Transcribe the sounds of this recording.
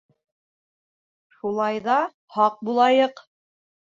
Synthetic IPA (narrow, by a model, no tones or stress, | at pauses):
ʃulˠɑjðɑ | hɑq̚bulˠɑjɤq